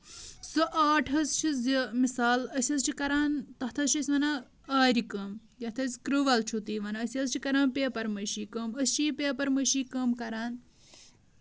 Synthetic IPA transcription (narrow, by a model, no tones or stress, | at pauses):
sɐʔaːʈʰɐst͡ʃʰizimisaːlɐsʲɐzt͡ʃʰikɐɾaːnt̪ɐht̪ʰɐst͡ʃʰɐsʲʋɐna | aːɾikɐm | jɐht̪ʰɐsʲkɾuʋɐlt͡ʃʰut̪iːʋɐnɐɐsʲɐzt͡ʃʰikɐɾaːnpeːpɐɾmɐʃiːkɐmɐst͡ʃʰipeːpɐɾmɐʃiːkɐmkɐɾaːn